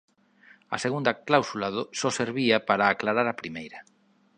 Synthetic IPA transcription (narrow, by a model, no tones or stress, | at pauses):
ɐ̰seɣund̪aklawsulaðosɔseɾβiapaɾaːklaɾaɾapɾimejɾa